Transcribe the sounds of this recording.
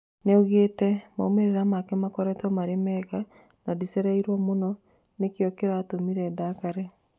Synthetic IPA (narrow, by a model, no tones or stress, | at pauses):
neoɣeːtɛma̰omeɾeɾamakɛmakɔɾɛtwɔmaɾemɛɣa | nadisɛɾaiɾwamonɔ | nekjɔkeɾaːtomiɾɛːdakaɾɛ